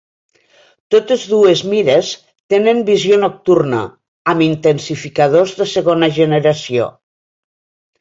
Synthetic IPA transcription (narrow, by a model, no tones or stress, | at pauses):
t̪ot̪ezðuezmiɾes | t̪enembizjonok̚t̪urnə̰ | amint̪ensifikað̞ozðəseɣonaʒeneɾasio̰